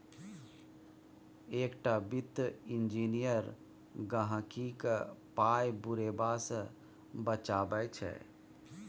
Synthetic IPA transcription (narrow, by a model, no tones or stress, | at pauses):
eːkʈabit̪ːind͡ʒinijəɾ | ɡəɦə̃kikəpajbuɾebasə̃ | bət͡ʃabət͡ʃʰɛ̰